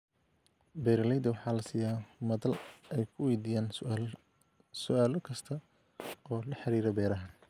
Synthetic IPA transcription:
bɛːɾɐlɛjd̪ɐwɑħɑːlɐsiːjaːmɐðɐlɛjkʰʊwɛjd̪iːjaːn | sʊʔaːlɔkʰɐst̪ʰɐ | ɔːlɐħɑɾiːɾɐbɛːɾɐɦɐ

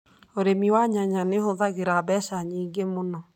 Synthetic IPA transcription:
oɾemiwaɲaɲanehoðaɣeɾabɛʃaɲiːŋɡemonɔ

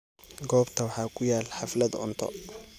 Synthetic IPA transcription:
ɡɔːbt̪ʰɐwɑħɑːkʰʊjaːlħɑflɐd̪ʊ̰nt̪ʰɔ̰

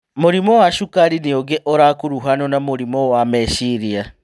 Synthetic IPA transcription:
moɾimɔwaʃukaɾinioɡeʔoɾakuɾuɦanɔnamoɾimɔwamɛʃiɾia

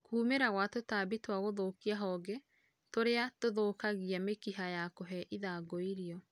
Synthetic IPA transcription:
kuːmeɾaɣwatotaːbitwaɣoðoːkiaɦɔɡɛ | toɾeatoðoːkaɣiamekiɦajakoɦɛʔiðaɡɔiɾiɔ

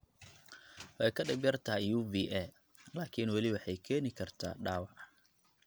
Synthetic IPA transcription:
wɑjkʰɐɖɛɡ̚bjɐrt̪ʰaːjuːviːʔɛ | laːkʰiːnwɑlɪwɑħɑjkʰɛːnɪkʰɐrt̪ʰa̰ːɖaːwɑʕ

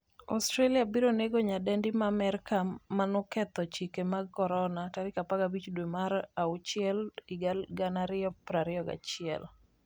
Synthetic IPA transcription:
ɔ̰stɾeliabiɾoneɡoɲadɛndimamɛɾkamanʊkɛt̪ɔt͡ʃikemaɡ̚kɔɾɔnataɾɪkapaɡabit͡ʃdwemaɾaut͡ʃɪɛlɪɡaɡanaɾɪɔpɾaɾɪɔɡa̰t͡ʃɪɛ̰l

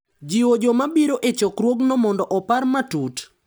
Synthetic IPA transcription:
d͡ʒiwod͡ʒomabiɾoʔet͡ʃɔkɾwoɡnɔmɔndɔʔɔparmatut

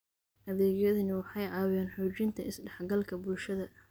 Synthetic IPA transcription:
ʔɐðɛːɡjɐðɐnɪwɑħɑjʕɑːwɛːnħuːt͡ʃɪnt̪ʰɐɪsɖɑħɡɐlkʰɐbʊlʃɐðɐ

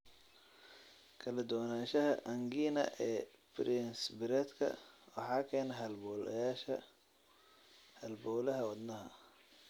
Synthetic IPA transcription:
kʰɐlɐd̪ʊwnaːʃɐɦɐʔɐŋɡiːnɐ̰ʔɛːbɾɪnsbɪɾɛːt̪kʰɐ̰wɑħɑːkʰɛːnɐɦɐlbɔːlɐ̰jaːʃɐ | hɐlbɔːlɐɦɐwɐd̪nɐɦɐ̰

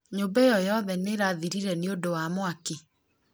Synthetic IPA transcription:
ɲombɛjɔjɔðɛneɾaðiɾiɾɛneodowamoake

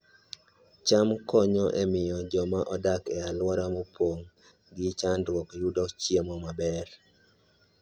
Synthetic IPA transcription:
t͡ʃamkɔɲɔʔemɪjɔd͡ʒɔmaʔɔdakɛalwɔɾamɔpwoŋ | ɡɪt͡ʃandwɔkjudɔt͡ʃjemɔmabɛr

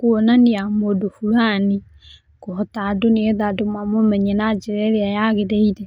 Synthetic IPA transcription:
koonaniamodofuɾani | kohɔtadoneeðadomwamomɛɲenad͡ʒeɾɛɾeajaɣedɛiɾɛ

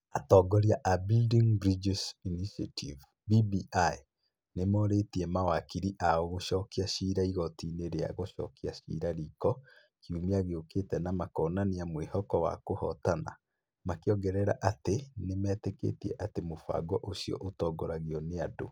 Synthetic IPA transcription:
atɔːɡɔɾjaʔabildiŋbɾid͡ʒisiniʃatʰiv | bibiʔa | nemɔɾetiɛmawakiɾiʔaɔɣoʃɔːkiaɕiɾaiɣɔtineɾea̰ɣoʃɔ̰ːkiaɕḭːɾaɾiːkɔ | kʰiumiaɣeoketɛnamakɔːnaniamwehɔkɔwa̰kohɔtana̰ | makeɔɡɛɾɛɾa̰ʔatenemɛtekḛːtiɛʔatemofwa̰ɡɔʔosiɔ̰ʔotɔːɡɔɾaɣiɔneado̰

